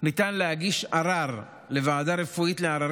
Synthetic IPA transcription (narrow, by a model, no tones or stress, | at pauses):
nit̪anlehaɡiʃaɾaʁ | le̞vaːd̪aɾe̞fuit̪leaɾa